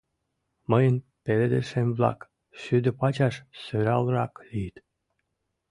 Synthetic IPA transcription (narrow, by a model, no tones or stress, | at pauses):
məjənpeled̪ə̰ʃemvlɑ̰k | ʃyd̪ə̆pɑt͡ɕɑʃsøɾɑlrɑklijt̪